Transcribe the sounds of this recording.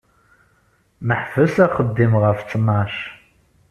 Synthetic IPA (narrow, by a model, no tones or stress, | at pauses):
nɨħfɨsɐqədeːmʁɐft͡sʰʼɨmaːɕ